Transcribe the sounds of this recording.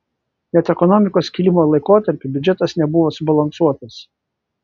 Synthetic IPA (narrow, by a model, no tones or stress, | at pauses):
nʲɛt̪ɛkɔnɔmʲɪkoːskʲilʲɪmoːlˠɐɪkoːt̪ɐɾʲpʲɪbʲd͡ʒʲɛt̪ɐsnʲɛbʊʋoːsʊbɐlˠɐnsuɔt̪ɐs